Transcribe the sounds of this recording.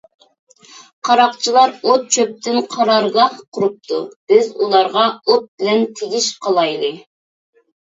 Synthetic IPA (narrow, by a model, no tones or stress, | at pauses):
qʰɑɾɑqt͡ʃʰilˠɑɾot̪̚t͡ʃʰøp̚t̪ɪnqʰɑɾɑɾɡɑhqʰʊɾup̚tt̪ʰub̥ɪzulˠɑɾʁɑot̪̚bɪlɛnt̪ʰeɡʲiʃqʰɑlˠɑjlˠɨ